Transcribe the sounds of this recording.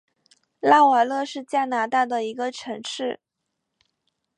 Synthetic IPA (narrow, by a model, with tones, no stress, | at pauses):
la˥˩wə˨˧˩lɤ˥˧ʂɻ̩˥˩˧t͡ɕja˥˩na˧˥t̪a˥˩d̪ə˩i˧˥ɡə˧ʈ͡ʂʰɤ˧˥ŋʂɻ̩˥˩